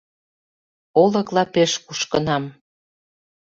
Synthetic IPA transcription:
olə̆klɑpeʃkuʃkə̆nɑm

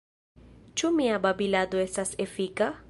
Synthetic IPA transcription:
t͡ʃʰʼumiaɓabiladɔɛsasefiːkʼa

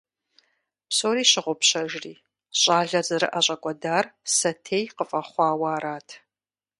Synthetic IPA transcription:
psoːɾiːɕɪʁʷʊpɕɐʒriː | ɕʼaːɮɐzɨɾɨ̰ʔɐɕʼɐkʷʼɔdaːrsɐtʰeːjqəfʼɐχʷɑːwaːɾaːtʰ

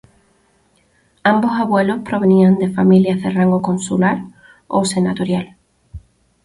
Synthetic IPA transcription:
ãmbosaβwelospɾoβ̞eniãnd̪e̞familjaðeraŋɡokõnsulaɾ | osenat̪oɾjal

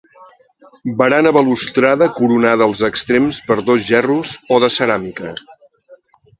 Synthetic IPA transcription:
bəɾanəβəlust̪ɾaðəkuɾunaðəːlˠzəkst̪ɾemspəɾðozʒɛruzoðəsəɾamikə

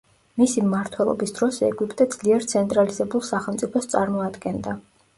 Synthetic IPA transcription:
misimmaɾt̪ʰwɛlˠɔ̰bisd̪ɾɔsɛ̰ɡwipʼt̪ʼɛd̪z̥liɛɾt̪sʰɛnt̪ʼɾalizɛbulˠsaχɛlˠmt̪sʼipʰɔst̪sʼa̰ɾmɔad̪ɡɛnd̪a

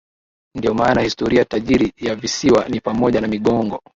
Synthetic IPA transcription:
ndiɔmaːnahistɔɾiataʄiɾijavisiwanipamɔʄanamiɠɔŋɡɔ

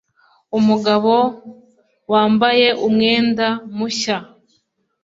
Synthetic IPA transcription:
umuɡaβo̞ | waːmbaje̞ʔumŋe̞ːndamuɕa

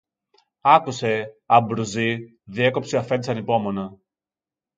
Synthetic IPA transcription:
ɐkuse̞ɐbɾuzi | ðie̞ko̞psiɐfend̪isɐnipo̞mo̞nɐ

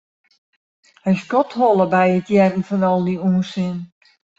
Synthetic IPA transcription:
hɛjskɔthɔlˠəbɛjətʰjɛrən̩fɔnɔlˠdiuːnsɪn

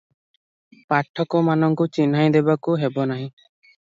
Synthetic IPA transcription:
paʈʰːɔkɔmanɔŋkut͡ʃinɦaj̃d̪ɛbakuɦebɔnaɦĩ

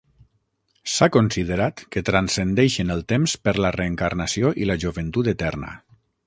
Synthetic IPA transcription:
sakonsið̞əɾat̪kət̪ɾansənd̪ɛʃənəlˠt̪emspəɾləreːŋkarnəsioʔiləʒuβənt̪ut̪ət̪ɛrnə̰

